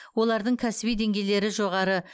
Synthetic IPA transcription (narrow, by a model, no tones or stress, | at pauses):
wo̞lˠɑɾd̪əɴkʲʰæsɪbijd̪e̞ŋɡʲe̞jle̞ɾɪʒo̞ʁɑɾə